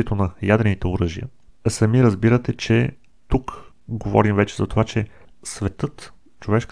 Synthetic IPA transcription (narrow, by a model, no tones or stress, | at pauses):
ɛt̪onɐjad̪ɾɛnit̪ɛʊɾɤʒijə̰sɐmiɾəzbiɾət̪ɛt͡ʃɛ | t̪uk | ɡovɔ̰ɾimvɛt͡ʃɛzɐt̪ovat͡ʃɛ | svɛt̪ɤt̪ | t͡ʃovɛʃk